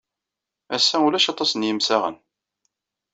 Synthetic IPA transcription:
æsːæulæʃɑt̪ˤːɑsənjəmsæʁə̰n

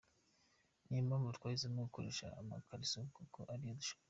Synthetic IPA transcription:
nimambutwaːizimeɡukoɾeʃa̰ːma̰kʰaɾisokokoʔaɾijoduʃo̥

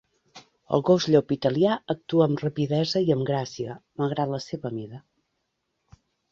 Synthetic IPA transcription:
ə̰lˠɣozʎopit̪əliaək̚t̪uəːmrəpiðɛzəiəmɡɾasiəməlˠɣɾat̪ləseβəmiðə

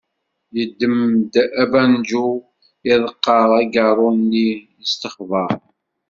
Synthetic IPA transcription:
jəd̪ːəmd̪æbænd͡ʒu | ɪðˤəqːɑʁæɡərˤːʊnːijəst̪əχvəɾˤ

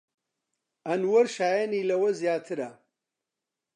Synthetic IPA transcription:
ɐnwɐɾʃaːjɐniːlɐwɐzjaːt̪ʰɨɾɐ

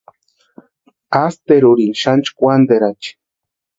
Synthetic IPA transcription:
ast̪eɾuɾinʃant͡ʃkʷand̪eɾat͡ʃi̥

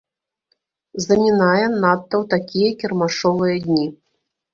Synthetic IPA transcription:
zɐmʲinajɛnat̪ːɐwt̪akʲijɐkʲɛrmaʂɔvɨjɐd̪ʲnʲi

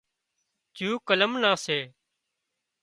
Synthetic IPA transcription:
t͡ʃuːkələmnãːseː

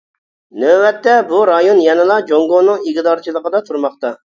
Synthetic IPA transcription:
nøwɛt̪ːɛbuɾɑjonjɛnɨlˠɑd͡ʒoŋɡonɨŋiɡʲd̪ɑɾt͡ʃʰilˠəqəd̪ɑt̪ʰuɾmɑχt̪ɑ

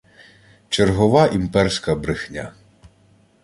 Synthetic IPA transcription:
t͡ʃerɦɔʋɑʔimpɛrsʲkɐbɾɪxnʲa

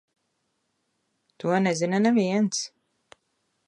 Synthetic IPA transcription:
t̪uɔnɛzinanɛviɛns

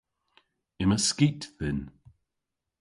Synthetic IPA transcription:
ɪməskiˑtθɪn

